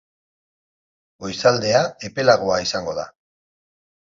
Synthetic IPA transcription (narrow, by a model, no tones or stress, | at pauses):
o̞jsald̪e̞ae̞pe̞laɣ̞o̞aisaŋɡo̞ða̰